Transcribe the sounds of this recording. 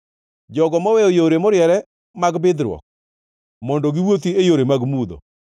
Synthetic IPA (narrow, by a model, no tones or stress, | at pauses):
d͡ʒɔɡɔmɔwɛojoɾemɔɾjɛɾɛ | maɡbɪd̪ɾwɔ̰k̚ | mɔndɔɡiwot̪̬iejoɾemaɡmud̪ɔ̰